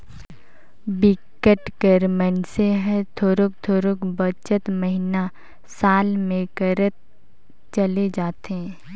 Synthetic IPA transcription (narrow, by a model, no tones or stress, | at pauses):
bɪkːəʈkəɾmɛnseɦɛ̃t̪ʰoːɾok̚t̪ʰoːɾokbət͡ʃət̪məɦina | saːlmẽkəɾət̪̚ | t͡ʃəled͡ʒaːt̪ẽ